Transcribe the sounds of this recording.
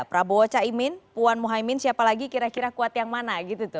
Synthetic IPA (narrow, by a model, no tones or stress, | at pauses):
pɾaboot͡ʃaimɪnpuanmuɦaimɪnsiapalaɡikiɾakiɾakuat̪jaŋmanaɡit̪ut̪ʊ